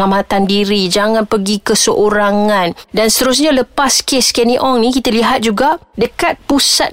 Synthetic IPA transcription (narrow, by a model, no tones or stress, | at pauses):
amat̪andiɾid͡ʒaŋãnpəɡikəsəʔoɾaŋãndansət̪əɾus̬ɲaləpaskeskɛniʔɔŋnĩkit̪aliɦat̪̚d͡ʒuɡadəkat̪̚pusat̪̚